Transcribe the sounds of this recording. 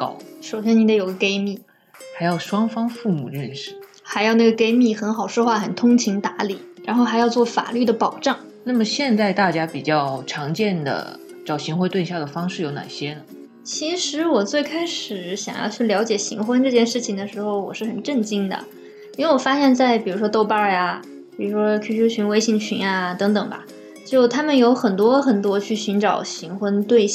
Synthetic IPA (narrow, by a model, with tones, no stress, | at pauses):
kɑ˨˥ʊʂo˨˩ʊɕjɛ˥ni˨˩d̪ə˧˩jo˨˩ʊɡə˧˦ke˥ɪmi˥˩ | xa˧˥ɪjɑ˥˩ʊʂwɑ˥ŋfɑ˥ŋfu˥˩mṵ˨˩ɻə˥˩nʂɻ̩˨˩ | xa˧˥ɪjɑ˥˧ʊna˥˩ɡə˩ke˥ɪmi˥˩xə˧˥nxɑ˨˩ʊʂwɔ˥xwa˥˩xə˨˩nt̪ʰʊ˥ŋt͡ɕʰi˧˥ŋt̪a˧˥li˨˩˦ɻa˧˥nxo˥˩ʊxa˧˥ɪjɑ˥˧ʊt͡swɔ˥˩fa̰˨˩ly˥˩d̪ə˩pɑ˨˩ʊʈ͡ʂɑ˥˩ŋ | na˥˩mə˩ɕjɛ˥˧nt͡sa˥˧ɪt̪a˥˩t͡ɕja˥pi˨˩t͡ɕjɑ˥˩ʊʈ͡ʂʰɑ˧˥ŋt͡ɕjɛ˥˩nd̪ə̰˩ | ʈ͡ʂɑ˥˩ʊɕi˧˥ŋxwe˥t̪we˥˧ɕja˥˩d̪ə˩fɑ˥ŋʂɻ̩˥˩jo˧˥ʊna̰˨˩ɕjɛ˥nə˨ | t͡ɕʰi˧˥ʂɻ̩˧˥wɔ˨˩t͡swe˥˩ɪkʰa˥ɪʂɻ̩˨˩ɕjɑ̰˨˩ŋjɑ̰˥˧t͡ɕʰy˥˩ljɑ˧˥ʊt͡ɕjɛ˨˩ɕḭ˧˥ŋxwə˥nʈ͡ʂɤ˥˧t͡ɕjɛ˥˧nʂɻ̩˥˩t͡ɕʰi˨˩ŋd̪ə˩ʂɻ̩˧˥xo˥˧ʊwɔ̰˨˩ʂɻ̩˥˩xə˨˩nʈ͡ʂə˥˩nt͡ɕi˥ŋd̪ə̰˨ | i˥nwe˥˩wɔ˨˩fa˥ɕjɛ˥˧nt͡sa˥˩ɪpi˨˩ɻu˧˥ʂwɔ˥t̪o˥˧ʊpa˥ja˧ | pi˨˩ɻu˧˥ʂwɔ˥kʰy˥˩ɕu˥t͡ɕʰy˧˥nwe˥ɪɕi˥˩ŋt͡ɕʰy̰˧˥na˧t̪ɤ˧˥ŋt̪ɤ˨˩ŋbɐ̰˩ | t͡ɕjo˥˩ʊt̪ʰa˥mə˨njo˧˥ʊxə˨˩nt̪wɔ˥xə˨˩nt̪wɔ˥t͡ɕʰy˥˩ɕy˧˥nʈ͡ʂɑ˨˩ʊɕi˧˥ŋxwə˥nt̪we˥˧ɪ